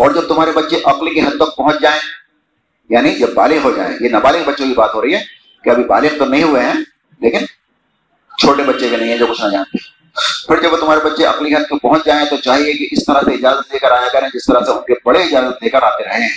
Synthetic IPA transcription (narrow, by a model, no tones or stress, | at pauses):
ɔːɾd͡ʒɐb̚t̪ʊmɦaːɾebɐtːʃeʔɐqlikeɦɐd̪̚t̪ɐk̚pɐɦʊ̃t͡ʃd͡ʒaːẽː | jaːnid͡ʒɐbːaːlɪɡɦod͡ʒa̰ːḛ̃jenɐbaːlɪkbɐtːʃõkibaːt̪ɦoːɾɐɦiɦɛː | keɐbʱiba̰ːlɪɡt̪onɐɦĩɦʊeɦɛ̃ː | leːkɪn | t͡ʃʰoːʈebɐtːʃekenɐɦĩɦɛ̃d͡ʒoːkʊt͡ʃʰnad͡ʒa̰ːnt̪e | pʰɪɾd͡ʒɐbʋoːt̪ʊmɦaːɾebɐtːʃeʔɐ̰qlikeɦɐd̪̚ːɐk̚pɐɦʊ̃t͡ʃd͡ʒaːẽt̪ot͡ʃaːɦiekiʔɪst̪ɐɾaseɪd͡ʒaːzət̪̚leːkəɾaːjakɐɾẽɛ̃d͡ʒɪst̪ɐɾaseʊnkebɐɽeɪd͡ʒaːzət̪̚leːkəɾaːt̪eɾɐɦeɦɛ̃ː